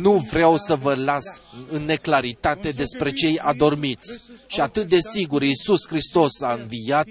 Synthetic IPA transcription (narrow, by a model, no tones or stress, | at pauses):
nuvɾeawsəvəlasɨnːe̞klaɾit̪at̪e̞d̪e̞spɾe̞t͡ʃe̞ja̰d̪o̞rmit̪sʲʃiat̪ɨt̪̚d̪e̞siɡuɾisuskɾist̪o̞saɨnvijat̪̚